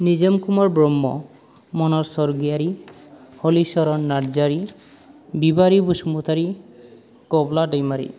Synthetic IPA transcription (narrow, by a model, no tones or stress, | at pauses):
nid͡ʒemkumɔɾbɾɔmːɔ̰ | mɔnɔɾsɔɾɡiaɾi | hɔlisɔɾɔnːaɽd͡ʒaɾi | bibaɾibusmut̪ʰaɾi | kɔblaɖajmaɾḭ